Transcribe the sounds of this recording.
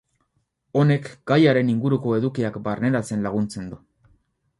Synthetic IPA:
o̞ne̞kɡ̥ajaɾe̞niŋɡuɾuko̞e̞ðukiakbarne̞ɾat͡se̞nlaɣ̞unt͡se̞nd̪u

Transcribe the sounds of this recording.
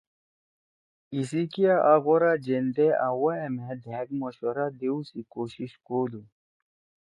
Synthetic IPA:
is̬ikiaʔaɣoɾad͡ʑend̪eawaemed̪ʱɛːkmoɕwɐɾad̪eusikoːɕiɕkoːd̪u

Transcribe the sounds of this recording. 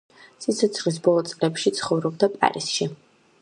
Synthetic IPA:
sit̪sʰɔt̪sʰχlis̬bɔlˠɔt̪sʼlɛpʃit̪sʰχɔvɾɔbd̪apʼa̰ɾḭsʃi

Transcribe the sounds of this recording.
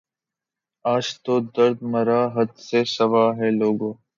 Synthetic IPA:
aːd͡ʒt̪oːd̪əɾd̪məɾaːɦəd̪seːsəʋaːɦɛːloːɡoː

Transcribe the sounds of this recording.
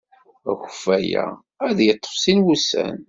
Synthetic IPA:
æ̰xəfæjæ̰ | æðjət̪ˤːə̥fsinwusæ̰n

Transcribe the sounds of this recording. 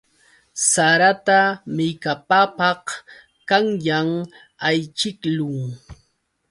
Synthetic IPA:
saɾat̪amɪkapapɑh | kaŋjaŋ | ajt͡ʃɪklʊŋ

